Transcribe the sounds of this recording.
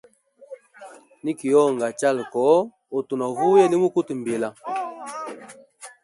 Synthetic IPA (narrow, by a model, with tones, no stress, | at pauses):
ni˦ki˨jɔ˦˨ŋ˨ɡa˨t͡ʃa˦˨lkɔ˨˦ | o˨tu˨nɔ˨vu˦je˦li˦mu˦ku˦tm˨be˨la˨